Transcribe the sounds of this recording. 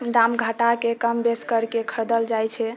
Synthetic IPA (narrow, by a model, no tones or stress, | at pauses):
d̪amɡʱəʈakekəmbeskəɾkekʰəɾd̪əld͡ʒajt͡ʃʰɛ